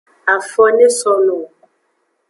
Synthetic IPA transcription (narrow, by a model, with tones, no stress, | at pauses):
a˨fɔ˦ne˦sɔ˦no˨